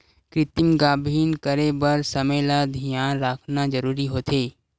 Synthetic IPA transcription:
kɾɪt̪ɪmɡaːbʱiːnkəɾebəɾsɐmelad̪ʱijaːnɾaːkʰnad͡ʒəɾuːɾiɦoːt̪ʰeː

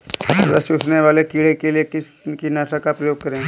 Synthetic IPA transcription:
ɾəsuːsneʋaːlekiːɽekelijekɪs | kinaːʈakapɾɐjoːɡ̚kɐɾẽː

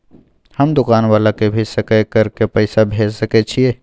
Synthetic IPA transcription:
həmd̪ʊkaːnʋaːlakebʱisəkɛkəɾkepəɪsabʱed͡ʒsəkɛt͡ʃʰie

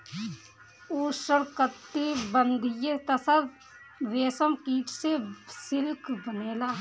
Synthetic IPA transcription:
uːʃəkət̪ːibənd̪ʱɪjet̪ɐsɐɾ | ʋeːsəmkiːʈsesɪlkbəneːlaː

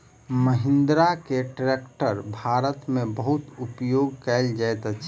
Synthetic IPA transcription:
məɦɪ̃nd̪ɾakeʈɾekʈəɾbʱaɾət̪mẽbəɦut̪upjoɡkɛld͡ʒajt̪t͡ʃʰ

